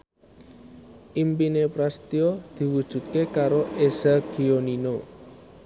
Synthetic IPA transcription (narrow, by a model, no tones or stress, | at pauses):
ʔimpinepɾast̪iod̪̥i̤wud̥ʒ̥ṳt̪̚kekaɾoʔesaɡ̥ionino